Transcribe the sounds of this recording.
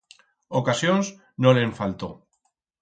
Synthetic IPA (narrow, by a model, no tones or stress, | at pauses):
okasjons | noleɱfalt̪o